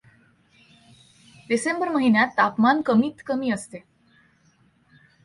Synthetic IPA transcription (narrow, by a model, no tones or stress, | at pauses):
disembəɾməɦinjat̪ːapmankəmiːt̪kəmiːəst̪e